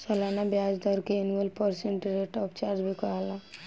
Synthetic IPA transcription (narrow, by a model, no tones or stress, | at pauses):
səlanabjad͡ʒd̪ɔɾkeːnuəlpəɾseɳʈɾeʈɔpt͡ʃaɾd͡ʒbʱikɔala